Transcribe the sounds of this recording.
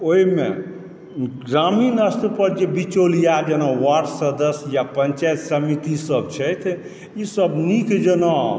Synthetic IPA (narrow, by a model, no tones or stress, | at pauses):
oɦimḛ | ɡɾaminəst̪pəɾd͡ʒebit͡ʃolijad͡ʒənawaɾsəd̪əsjapənt͡ʃajt̪səmit̪isəbt͡ʃʰəjt̪ʰ | isəbnikd͡ʒəna